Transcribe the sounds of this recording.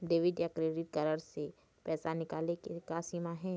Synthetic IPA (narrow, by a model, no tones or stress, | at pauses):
ɖeːʋɪɖjakɾeːɖɪʈ̚kɐɾəɾse | pɛːsanɪkaːlekekasiːmaɦɛ̃ː